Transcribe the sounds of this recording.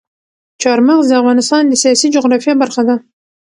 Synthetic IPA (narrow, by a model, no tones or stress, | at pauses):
t͡ʃɑɾmaqzafɣɑnɪst̪ɑnd̪əsijɑsid͡ʒʊɣɾɑfjabaɾxad̪a